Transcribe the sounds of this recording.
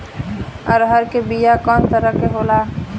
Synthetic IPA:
ə̰ːɾɦəɾkebijakɔːnt̪əɾəkeɦola

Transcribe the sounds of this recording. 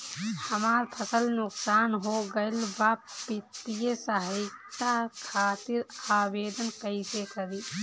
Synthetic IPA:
həmaɾpʰəsəlnuksaːnɦoɡəlbapit̪ːijəsəɦitakʰaːt̪iɾabeːd̪ənkəɪsekəɾi

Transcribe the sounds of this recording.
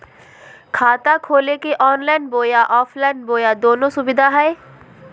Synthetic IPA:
kʰaːt̪akʰoːlekeʔɔːnlaːɪnboːjaʔɔːfʰlaːɪnboːjad̪oːnõsʊbɪd̪ʱaɦɛe

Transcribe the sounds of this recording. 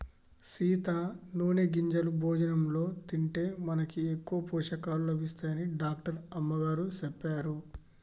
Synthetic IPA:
siːt̪aːnuːneɡiɲd͡ʒɐlubʱɔːd͡ʒɐnɐmlo̞ːt̪iɳʈe̞ːmɐnɐkiekːuʋɐpɔːʂɐkaːlulɐbʱist̪aːjɐniɖaːk̚ʈɐɾɐmːɐɡaːɾusepːaːɾu

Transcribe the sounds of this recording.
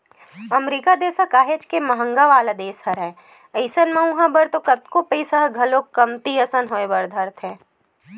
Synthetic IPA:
ɐmɾiːkad̪eːsakaːɦed͡ʒkemɐɦə̃ŋɡaʋaːlad̪eːshɐɾɛ̃ | əɪsənmɐ̃ũɦãbɐɾt̪okɐt̪kopisəɦɡʱɐlokːɐmt̪iɐsənɦoːebɐɾd̪ʱɐɾt̪ʰɦɛ̃ː

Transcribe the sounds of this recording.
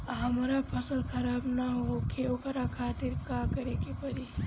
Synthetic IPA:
ɦɐmɾapʰəsəlkʰɐɾaːbnaɦokeokɾakʰaːt̪iɾkakəɾekepɐɾi

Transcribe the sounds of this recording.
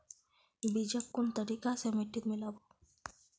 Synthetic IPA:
bid͡ʒakkːont̪aɾikasemeʈːiɾmilabo

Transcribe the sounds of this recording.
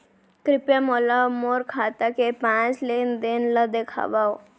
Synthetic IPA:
kɾipjamolamoɾkʰat̪akepãt͡slend̪enləd̪ekʰa̰ʋa

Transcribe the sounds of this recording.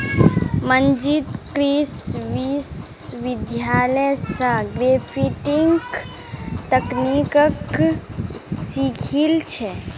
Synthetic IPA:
mənd͡ʒit̪kɾisʋisʋid̪jaːləjsə̃ɡɾepʰiʈiŋk | t̪əknikək | sikʰilt͡ʃʰɛ

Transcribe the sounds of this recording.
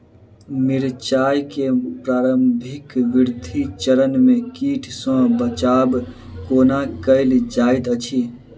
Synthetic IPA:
miɾt͡ʃajkepɾaːɾəmbʱikʋiɾd̪ʱit͡ʃəɾənmekiːʈʰsɔ̃bət͡ʃabkoːnakəɪld͡ʒajt̪ət͡ʃʰi

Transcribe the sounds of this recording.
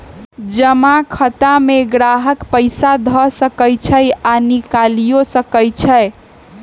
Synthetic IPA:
d͡ʒəmakʰət̪ameɡɾaɦəkpəɪsad̪ʱɔsəkəjt͡ʃʰəjanikalijosəkəjt͡ʃʰəj

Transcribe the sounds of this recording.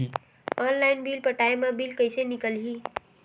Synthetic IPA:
i | ɔːnlaɪnbilpəʈaemẽbilkəɪsenɪkəlɦiː

